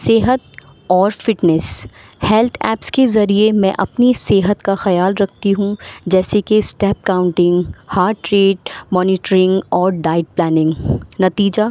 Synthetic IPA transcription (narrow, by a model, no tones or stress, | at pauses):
seːɦət̪̚ | ɔːɾfɪʈnɛs | hɛlt̪ʰɛ̰ːpskezɐɾiemɛ̃ʔɐpniseːɦət̪kaxɐjaːlɾɐk̚ʰt̪iɦũd͡ʒɛːsekesʈɛːp̚kaːʊ̃ɳʈɪ̃ŋɡhaːɾɖʈɾeːʈ̚mɔːnɪːʈɾɪ̃ŋɡɔːɾɖaːɪʈ̚plɛːnɪ̃ŋɡnɐt̪iːd͡ʒa